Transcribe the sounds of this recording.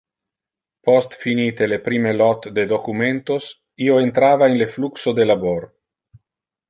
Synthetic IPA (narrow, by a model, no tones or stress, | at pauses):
post̪finit̪elepɾimelɔt̪d̪ed̪okument̪os | ioent̪ɾaːvaenlefluksod̪elaboɾ